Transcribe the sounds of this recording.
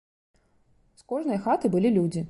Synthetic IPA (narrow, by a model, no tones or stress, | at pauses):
skɔʐnɐjɐxat̪ɨbɨlʲilʲud͡zʲi